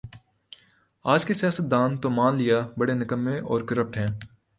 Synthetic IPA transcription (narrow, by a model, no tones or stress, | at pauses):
aːd͡ʒkesɪjaːsət̪̚d̪aːnt̪omaːnlijabɐɽenɪkəmːẽʔɔːɾkəɾəp̚ʈɦɛ̃ː